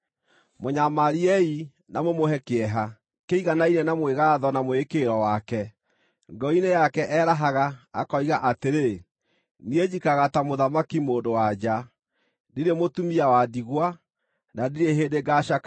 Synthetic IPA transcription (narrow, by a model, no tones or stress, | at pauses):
moɲamaɾiɛi | namomoɦɛkeɛɦa | keiɣanainɛnamweɣaːðɔnamoekeɾɔwakɛ | ŋɡɔinejakɛʔɛːɾaɦaɣaːkɔiɣaʔateɾe | nied͡ʑikaɣatamoðamakimoːndowad͡ʑa | deɾemotumiawadiɣwa | nadeɾeɦedeɡaʃaka